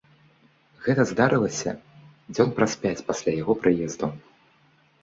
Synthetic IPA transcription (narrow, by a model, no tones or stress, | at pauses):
ɣɛt̪ɐzd̪aɾɨlˠɐsʲɐ̰ | d͡zʲɔnpɾaspʲat͡sʲpasʲlʲajaɣɔpɾɨjɛzd̪u